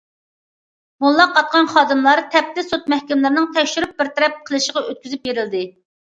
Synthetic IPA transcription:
mulˠːɑqːɑt̪̚qɑnχɑːd̪ɨmlˠɑɾt̪ʰɛp̚t̪ɪsot̪̚mɛhkʲimlɨɾnɨŋt̪ʰɛkʲʃyɾyp̚bɪɾt̪ʰɛɾɛp̚qʰəlˠɨʃəʁɑʔøt̪̚kʲyzyp̚beɾɪld̪ɪ

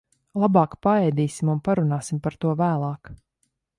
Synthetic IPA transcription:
lˠabɑːkpaɛjd̪iːsimunpaɾunɑːsimpaɾt̪uɔvæːlˠɑːk

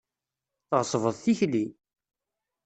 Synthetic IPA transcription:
θʁəsˤvəðˤθiçli

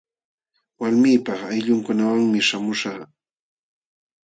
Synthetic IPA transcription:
waɾmiːpɑχajʎʊŋkʊnawaŋmɪʃamʊʃɑχ

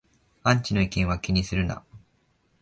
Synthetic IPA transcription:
ãɲ̟t͡ɕino̞ikẽ̞ɰ̃akʲiɲ̟isɨɾɯ̟na̰

